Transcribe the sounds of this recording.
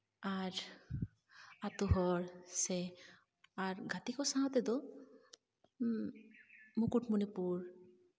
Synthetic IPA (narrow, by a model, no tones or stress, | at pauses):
aɾ | at̪uɦɔɹse | aɹɡat̪ikɔsaãt̪ɛd̪ɔ | mukuʈmunipuɹ